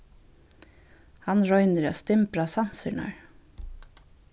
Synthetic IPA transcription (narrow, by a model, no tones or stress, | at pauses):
hɑnɾɔʏnəɾɑ̰ːst̪ɪmpɾɑːsɑnsəɳɑ̰ɹ